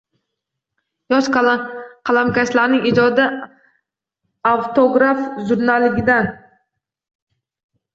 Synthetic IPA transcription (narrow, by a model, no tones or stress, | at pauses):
jɒʃ | kʰalˠamkʲaslaɾnɪŋɪd͡ʒɒd̪ɪ | awt̪ʰoɡɾafʒʊɾnalɪɡʲɪd̪an